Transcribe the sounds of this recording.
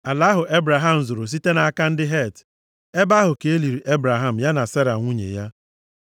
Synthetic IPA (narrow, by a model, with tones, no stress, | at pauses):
a˨la˨˦ɦʊ˨ʔe˦bɾa˨ɦa˦m̩˨zo˨ɾo˨s̬i˦te˦na˨a˦ka˦n̩˦dɪ˦ɦe˦˨t | e˦ba˦ɦʊ˨ke˨e˦li˨ɾi˨ʔe˦bɾa˨ɦa˦m̩˨ja˦na˨se˦ɾa˨ŋʷu˦ɲḛ˨ja˦